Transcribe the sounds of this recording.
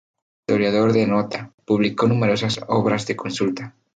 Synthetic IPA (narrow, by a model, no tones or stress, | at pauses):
t̪oɾjaðoɾðenɔt̪apuβlikonumeɾosaso̰βɾazðekonsult̪a